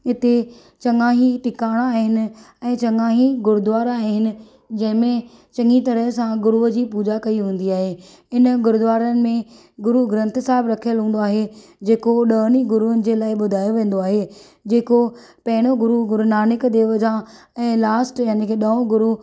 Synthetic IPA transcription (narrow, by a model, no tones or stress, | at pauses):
ɪt̪e | t͡ɕɐ̃ŋɡãːɦĩʈɪkaːɽ̃aːɦɪnɪ̆ | ɛ̃ːt͡ɕɐŋãːɦiɡʊɾʊd̪ʊʋaːɾaːɦɪnɪ̆ | d͡ʑɐ̃ɦɪ̃mẽ | t͡ɕɐ̃ŋɡit̪ɐɾəɦsãɡʊɾuɦəd͡ʑiːpuːd͡ʑakɐiɦũːn̆d̪iaːɦe | ɪnɡʊɾʊd̪ʊʋaːɾənɪ̆mẽ | ɡʊɾuɡɾə̃nt̪saːɦɪbɾɐkʰijəlɦũːn̆d̪oaːɦed͡ʑeːkoɗəːniɡʊɾuʊnɪ̆d͡ʑeːlaːɪɓʊd̪ʱaːjoʋẽːn̆d̪oaːɦe | d͡ʑeːkopɐɦɪɽ̃oɡʊɾuɡʊɾʊnaːnɪkd̪eːʋəd͡ʑã | ɛ̃ːlaːsʈjaːnikʰeɗɐõɡʊɾu